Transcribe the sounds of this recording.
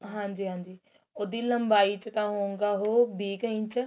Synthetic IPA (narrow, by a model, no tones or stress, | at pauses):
ɦãːɲd͡ʒiːɦãːɲd͡ʒiː | od̪iləmbaːit͡ʃək̪aɦõːŋɡaːɦoːbiːkĩt͡ʃə